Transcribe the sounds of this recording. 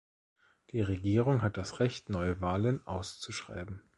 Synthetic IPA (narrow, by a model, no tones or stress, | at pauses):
d̥iːʁeɡiːʁʊŋɦat̚d̥asʁɛçtnɔʏəvaːlənʔa̰ʊst͡suʃʁ̥a̰ɪbm̩